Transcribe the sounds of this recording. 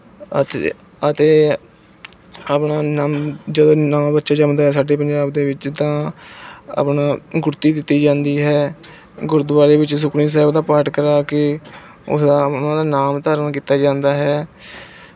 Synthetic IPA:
ət̪ | ət̪eː | aːpnaːnamd͡ʒəd̪õːnaːbətːʃaːd͡ʒəmd̪aːɦɛːsaːɖeːpəɲd͡ʒaːbd̪eːʋɪt͡ʃt̪ãː | a̰ːpnaːɡʊɾt̪iːd̪ɪt̪ːiːd͡ʒãːnd̪iːɦɛː | ɡʊɾd̪ʊʋaːɾeːʋɪt͡ʃs̬ʊkʰniːs̬ɛːbd̪aːpaɾʈkəɾaːkɪ | ʊ̰sd̪aːnãːd̪aːnaːmt̪aːɾənkiːt̪aːd͡ʒãːnd̪aːɦɛː

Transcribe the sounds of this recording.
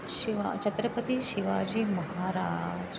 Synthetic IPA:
ʃiʋa̰t͡ʃɐt̪ɾəpət̪iʃiʋaːd͡ʒiːmɐɦaːɾaːd͡ʒ

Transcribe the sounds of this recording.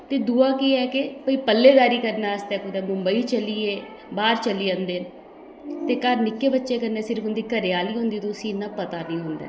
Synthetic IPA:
t̪eːd̪uaːkiːɛːkɪpəiːpəlːeːd̪aːɾiːkəɾnaːəst̪ɛːkʊd̪eːmʊmbəiːt͡ʃəliːeː | baːɾt͡ʃəlːiːə̃nd̪eː | t̪eːkəɾnɪkːeːbətːʃeːkəɾneːsɪɾəfʊnd̪iːkəɾɪjaːliːɦõnd̪iːt̪õʊsĩːɪnːãːpət̪aːnĩːɦʊ̃nd̪a̰ː

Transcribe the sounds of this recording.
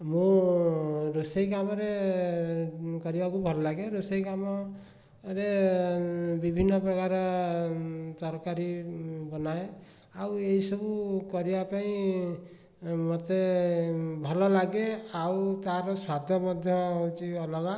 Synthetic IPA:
mũ | ɾosejkamɔɾe | kɔɾibakubʱɔlɔlaɡeɾosejkamɔ | ɾe | bibʱinːɔpɾɔkaɾɔ | t̪ɔɾkaɾibɔnae | aweisɔbukɔɾibapaĩ | mɔt̪e | bʱɔlɔlaɡeawt̪aɾɔswad̪ʱjɔmɔd̪ʱjɔɦot͡ʃiɔlɔɡa

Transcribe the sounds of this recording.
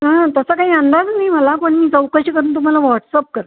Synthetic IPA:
ɦat̪əsəkaɦiːənd̪ad͡znaiməlakoɳmiːd͡zəwkəɕiːkəɾuːnt̪um̤alaʋɔʈsəp̚kəɾ

